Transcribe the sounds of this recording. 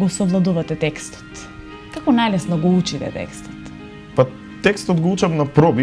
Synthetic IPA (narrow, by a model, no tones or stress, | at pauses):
ɡɔsɔvlˠad̪uvat̪ɛt̪ɛkst̪ɔ̥t̪ | kakɔnajlɛsnɔɡɔut͡ʃit̪ɛ̰t̪ɛ̰kst̪ɔ̥t̪ | pa | t̪ɛkst̪ɔt̪ɡɔut͡ʃafnapɾɔbi